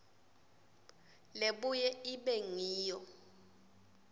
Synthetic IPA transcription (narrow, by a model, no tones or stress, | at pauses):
leɓujɛiɓɛŋiːjɔ